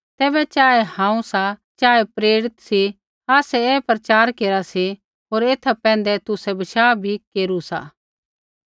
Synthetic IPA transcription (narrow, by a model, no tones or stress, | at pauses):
t̪ɛːbɛt͡ʃaːɛhãːũsat͡ʃaːɛpɾeːɽɪt̪si | aːsɛɛpɾɐt͡ʃaːɾkeːɾasi | ɦoːɾeːt̪ʰapɛ̃ːnd̪ɛt̪ʊsɛbɐʃaːbʱikeːɾusa̰